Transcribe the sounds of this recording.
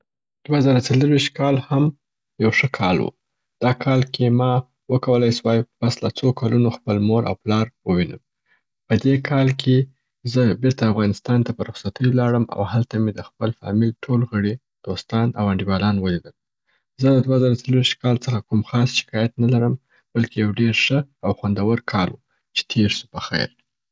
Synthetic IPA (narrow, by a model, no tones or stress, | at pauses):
d̪̥wazɑɾat͡saləɾwiʃt̪̚kɑlham | jawʂəkʰɑlwṵ | d̪̥ɑkʰɑlkʰemɑ | wəkawəlajswɑjpaslat͡sokʰalunoxpəlmoɾʔa̰wplɑɾwəwinə̰m | pəd̪ekʰɑlkʰe | zəbɪɾt̪aːfɣɑnɪst̪ɑnt̪apəɾʊxsat̪ʰəjolɑɽəma̰whalt̪amed̪əxpəlfɑ̰milʈʰolɣəɽi | d̪̥ost̪ɑna̰waɳɖiwɑlɑnwəlid̪əl | zəd̪əd̪wazɑɾawt͡salwiʃt̪̚kɑlt͡səxakumxɑsʃɪ̥kɑjat̪nalaɾəm | b̥alkejawɖeɾʂəawxwand̪awəɾkʰɑlwu | t͡ʃe̥t̪ʰeɾsu̥pəxa̰jɾ